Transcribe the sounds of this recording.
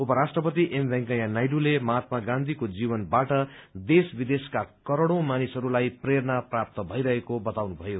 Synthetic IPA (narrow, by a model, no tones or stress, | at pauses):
upʌɾasʈrʌpʌt̪iʔembʱɛŋkajanajɖulemʌɦat̪maɡãnd̪ʱikod͡zibʌnbaʈʌd̪esbid̪eskakʌɾoɽõmanisɦʌɾulajpreɾnaprap̚t̪ʌbʱʌiɾʌɦekobʌt̪awnubʱʌjo